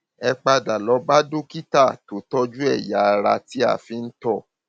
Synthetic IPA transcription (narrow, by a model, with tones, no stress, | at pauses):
ɛ˧k͡pa˧da˨lɔ˨˦ba˦du˦ki˦ta˦˨to˨˦tɔ˦d͡ʒu˦ɛ˦˨ja˨˦˧ɾa̰˧ti˦a̰˦˨fi˧n̩˦tɔ˦˨